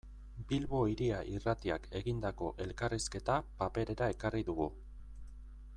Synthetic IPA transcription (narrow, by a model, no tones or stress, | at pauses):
bilβo̞iɾiaʔirat̪iake̞ɣind̪ako̞ʔe̞lkariske̞t̪apape̞ɾe̞ɾae̞kariðuɣu